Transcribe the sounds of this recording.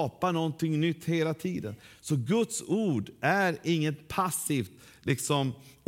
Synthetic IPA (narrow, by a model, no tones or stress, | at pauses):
panɔnt̪ɪŋnʏt̪ːheːlat̪ʰiːd̪ə̰nsɔɡɵt̪suːɖʔæɾɪŋːət̪pʰasːiːft̪ | lʔɪksɔm